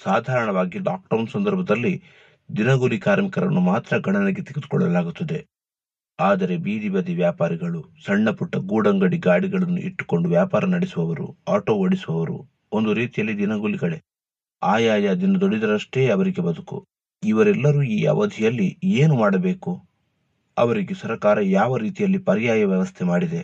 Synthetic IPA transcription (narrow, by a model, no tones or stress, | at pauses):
saːd̪ʱaːɾɐɳɐʋaːɡiɖaːk̚ʈɐɾnsɐnd̪ɐɾbʱɐd̪ɐlːi | d̪inɐɡulikaːɾmikɐɾɐ̰nːumaːt̪ɾɐɡɐɳɐnɐɡet̪iɡid̪ukɔɭːɐlaːɡut̪ːɐd̪e̞ | aːd̪ɐɾe̞biːd̪ibɐd̪iʋjaːpaːɾiɡɐɭusɐɳːɐpuʈːɐɡuːɽɐŋɡɐɽiɡaːɽiɡɐɭɐnːṵʔiʈːu̥ko̞ɳɖuʋjaːpaːɾɐnɐɽesuʋɐʋɐɾṵaːʈo̞ːoɽisuʋɐʋɐɾṵ | o̞nd̪uɾiːt̪ijɐlːid̪inɐɡuliɡɐɭe̞ | aːjaːjad̪inɐd̪oɽid̪ɐɾɐʂʈe̞ːɐʋɐɾiɡe̞bɐd̪ukṵ | iʋɐɾɛlːɐɾuːiːɐ̰ʋɐd̪ʱijɐlːieːnumaːɽɐbe̞ːku | ɐʋɐɾiɡesɐɾkaːɾɐjaːʋɐɾiːt̪ijɐlːipɐɾijaːjɐʋjɐʋɐst̪ʰemaːɽid̪e̞